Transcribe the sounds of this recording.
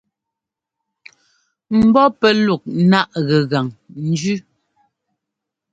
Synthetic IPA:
m̩˨bɔ˦pɛ˦lu˨k̚na˦ʔɣɛ˨ɣa˨ŋn̩˦d͡ʒʉ˦

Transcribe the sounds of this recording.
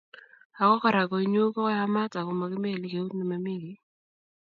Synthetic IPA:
a˨kɔ˦ka˨ɾa˨kɔ˨i˦ɲo˦kɔ˦kɔ˦ja˦ma˦ta˨kɔ˨ma˨kɪ˦me˦˨li˨ke˨u˦tni˨ma˨mi˦ɡi˨˦

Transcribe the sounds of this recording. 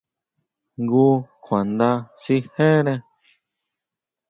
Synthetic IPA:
ŋɡu˦kʰʷã˨nd̪ã˧si˧˦hẽ˦ɾẽ˧

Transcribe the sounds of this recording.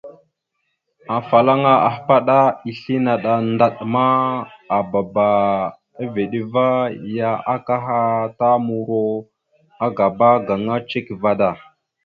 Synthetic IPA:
a˨fa˨la˦ŋa˦ʔa˨hpa˦ɗa˦i˨ɬi˦na˨ɗa˨nda˨ɗma˦a˨ba˨ba˨ | a˦ve˨ɗi˦va˦ja˦a˦ka˦ɦa˦ta˦mu˨ɾo˦ | a˦ɡa˨ba˦ɡa˨ŋa˦t͡ʃe˦kva˦da˨

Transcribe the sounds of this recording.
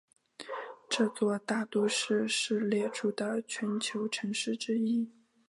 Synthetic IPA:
ʈ͡ʂɤ˥˧t͡swɔ˥˧t̪a˥˩t̪u˥˧ʂɻ̩˥˩ʂɻ̩˥˩ljɛ˥˩ʈ͡ʂʰu˥˩d̪ə˩t͡ɕʰɥɛ˧˥nt͡ɕʰjo˧˥ʊʈ͡ʂʰɤ˧˥ŋʂɻ̩˥˩ʈ͡ʂɻ̩˥i˥˩

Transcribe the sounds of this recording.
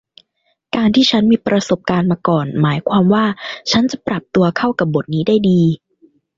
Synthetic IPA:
kaː˧nt̪ʰiː˥˩t͡ɕʰa˦˥nmiː˧pɾa˧so˨˩p̚kaː˧nmaː˧kɔː˨˩nmaː˩˦jkʰwaː˧mwaː˥˩t͡ɕʰa˦˥nt͡ɕa˨˩pɾa˨˩p̚t̪u˧ɐkʰa˥˩wka˨˩p̚bo˨˩t̪̚niː˦˥daː˥˩jdiː˧

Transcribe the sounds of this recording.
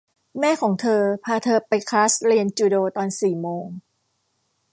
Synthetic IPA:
mɛː˥˩kʰɔː˩˦ŋt̪ʰɤː˧pʰaː˧t̪ʰɤː˧pa˧jkʰlaː˦˥sɾi˧ənt͡ɕuː˧doː˧t̪ɔː˧nsiː˨˩moː˧ŋ

